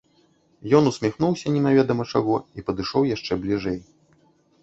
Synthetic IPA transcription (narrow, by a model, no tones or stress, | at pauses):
jɔnusʲmʲixnuwsʲɐnʲɛnavʲɛd̪ɐmɐt͡ʂaɣɔipɐd̪ɨʂɔwjaʂt͡ʂɛblʲiʐɛj